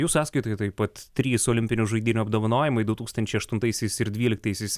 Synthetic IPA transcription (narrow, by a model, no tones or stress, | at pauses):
juːsɑːt̪skɐɪt̪oːjt̪ɐjpɐt̪t̪ʲːɾʲiːsoːlʲɪmʲpʲɪnʲʊʒɐɪd̪ʲiːnʲʊɐbd̪oːʋɐnoːjɪmɐɪd̪ʊt̪uːkst̪ɐnʲt͡ʃʲɛɪɐʃt̪ʊnt̪ɐɪsʲɛɪsɪɾd̪ʲʋʲiːlʲɪk̚t̪ɐɪsʲɛɪs